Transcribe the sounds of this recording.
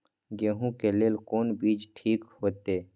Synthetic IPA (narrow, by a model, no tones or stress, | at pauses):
ɡeːɦũkeleːlkoːnbiːd͡ʒʈʰiːkhoːt̪eː